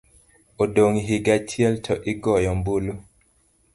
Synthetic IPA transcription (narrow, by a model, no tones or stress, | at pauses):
odoŋiɦiɡat͡ʃjɛltʰɔʔɪɡɔjɔmbulu